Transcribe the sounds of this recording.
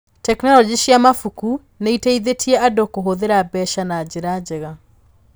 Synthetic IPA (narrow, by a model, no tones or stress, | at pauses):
tɛknɔlɔd͡ʑiʃiamafuku | neiteiðetʰiɛʔadokoɦoðeɾabɛʃanad͡ʑeɾad͡ʑɛɣa